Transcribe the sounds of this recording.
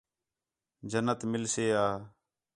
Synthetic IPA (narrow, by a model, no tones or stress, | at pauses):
d͡ʒənət̪mɪlseːaː